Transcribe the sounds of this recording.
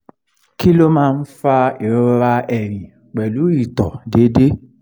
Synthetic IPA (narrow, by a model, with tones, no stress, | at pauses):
ki˦lo˦mãː˦˧n̩˦fa˧e˨ɾɔ˦ɾɾa˧ɛ˨ɾ̃ĩ˨ | k͡pɛ˨lu˨˦i˦˨tɔ˨de˨˦de˦